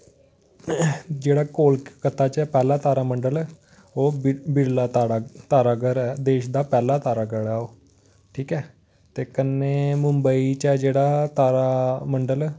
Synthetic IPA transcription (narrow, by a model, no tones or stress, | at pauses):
d͡ʒeːɽaːkoːlkkət̪aːt͡ʃɛːpɛːlaːt̪aːɾaːməɳɖəlɛː | oːbɪɽlat̪aat̪aːɾaːɡəɾɛːd̪eːʃd̪aːpɛːlaːt̪aːɾaːɡəɽaːoː | ʈʰiːkɛː | t̪eːkənːeːmʊ̃mbəit͡ʃɛːd͡ʒeːɽaːt̪aːɾaməɳɖəlː